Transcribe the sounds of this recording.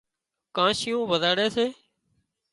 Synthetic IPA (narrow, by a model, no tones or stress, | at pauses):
kãːʃɪjõːʋəd̪ʱaːɽeːseː